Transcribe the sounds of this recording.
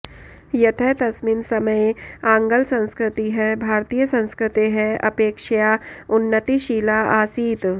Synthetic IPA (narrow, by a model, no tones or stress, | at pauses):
jɐt̪ʰɛɦt̪ɐsminsɐməjãːŋɡəlsɐ̃nskɾɪt̪iɦɛbʱaːɾt̪iːjəsɐ̃nskɾɪt̪eɦɛɐ̰peːkʃjaːʊnːət̪iʃiːlaːaːsiːt̪